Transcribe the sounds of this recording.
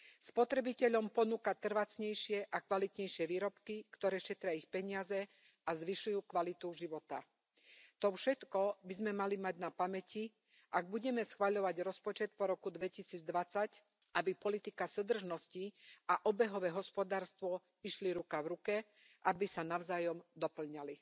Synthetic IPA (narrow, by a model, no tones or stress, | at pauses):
spɔt̪ɾɛbicɛʎɔmpɔnuːkat̪r̩ʋat͡sɲɛjʃɪɛʔakʋalit̪ɲɛjʃɪɛʋiːɾɔpkikt̪ɔɾɛːʃɛt̪ɾɪaixpɛɲɪazɛ | azʋiʃujuːkʋalit̪uʒiʋɔt̪a̰ | t̪ɔfʃɛt̪kɔbizmɛmalimaɟnapamɛci | ʔaɡ̚buɟɛmɛsxʋaʎɔʋaɟɾɔspɔt͡ʃɛt̪̚pɔɾɔkud̪ʋɛcisiːd͡zd̪ʋat͡sac | ʔabipɔlit̪ikasud̪r̩ʒnɔsciʔaʔɔbɛɦɔʋɛːɦɔspɔd̪aːɾst̪ʋɔ | iʃliɾukaʋɾukɛ | ʔabisanaʊzaːjɔmd̪ɔpl̩ɲali